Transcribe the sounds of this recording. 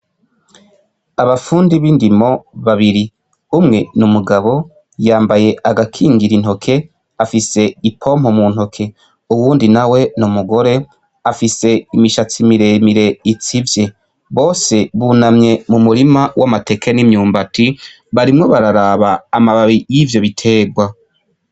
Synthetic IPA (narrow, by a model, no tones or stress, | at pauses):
aβafuːndiβiːndimo̞βaβiɾi | umŋe̞numuɡaβo̞ | jaːmbaje̞ʔaɡakʰiːŋɡiɾin̥ho̞kʰe̞ | afise̞ipʰo̞ːm̥ho̞mun̥ho̞kʰe̞ | uwuːndinawe̞numuɡo̞ɾe̞ | afise̞imiʃat͡simiɾemiɾe̞it͡sivje̞ | βo̞ːse̞βunamɲe̞mumuɾimawamate̞kenimɲuːmbati | βaɾimŋo̞βaɾaɾaβaːmaβaβijivjo̞βitʰe̞ːɡwa